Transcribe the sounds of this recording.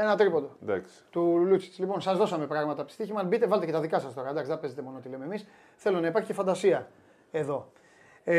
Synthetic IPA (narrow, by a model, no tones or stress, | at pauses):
enɐt̪ɾipo̞nd̪od̪ɐ̰ks | t̪ulut͡si̥t̪i̥zlipo̞nsɐzðo̞sɐme̞pɾɐɣmɐt̪ɐpt̪i̥st̪içimɐbit̪e̞vɐlt̪ecet̪ɐðikɐsɐst̪o̞ɾɐd̪ɐksiðepe̞ze̞t̪e̞mo̞noot̪ilememis | θe̞lo̞nɐipɐɾçicefɐnd̪ɐsiɐ | e̞ðo̞